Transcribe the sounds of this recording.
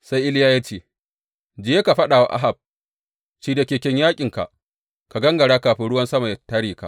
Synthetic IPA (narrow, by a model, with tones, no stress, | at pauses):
sa˦jʔɪ˦ljaː˦jaː˦t͡ʃeː˦ | d͡ʒɪ˨jeː˦ka˨ɸɐ˦ɗaː˨wa̰˨ʔa̰˦ɦa˨b̚ | t͡ʃiː˨da˨kʲeː˨kʲɛ˦ɲjaː˦kʲʼɪ˨ŋka̰˨ʔ | ka˨ɡɐ˦ŋɡɐ˨ɽaː˦kaː˨ɸɪ˦ɽʊ˦wɐ˦nsɐ˦ma˨jta˦ɽiː˨ka̰˨